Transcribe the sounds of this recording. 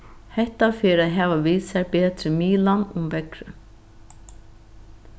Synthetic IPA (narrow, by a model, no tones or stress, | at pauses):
hɛht̪afɪɾaðɦɛːʋaviːsɛɹpɛːt̪ɾɪmiːlanʊmvɛkɾʏ̰